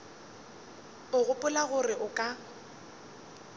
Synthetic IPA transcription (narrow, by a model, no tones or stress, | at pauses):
ʊɣʊpʼʊlaɣʊrɪʔʊkʼa